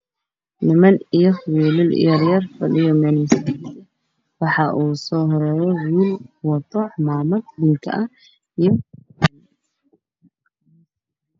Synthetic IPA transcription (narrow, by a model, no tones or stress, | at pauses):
nɪmɐnijɔχwiːlɪlḭjɐɾjɐrfɐlijɔmɛnɪs | wɑħɑʔuːsɔːɦɔɾɛɾɛwiːlwɐt̪ɔħmaːmɐɡd̪ɪŋkʰɐ̰ʔɐ | ijɔ